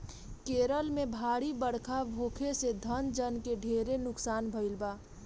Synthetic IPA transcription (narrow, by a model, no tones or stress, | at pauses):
keːɾəlmẽbʱaːɽibəɽkʰabʱoːkʰesed̪ʱənd͡ʒənkeɖʱeːɾenʊksaːnbʱəɪlbaː